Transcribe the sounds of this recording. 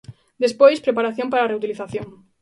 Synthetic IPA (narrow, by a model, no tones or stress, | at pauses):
d̪espojspɾepaɾaθjompaɾareut̪iliθaθjoŋ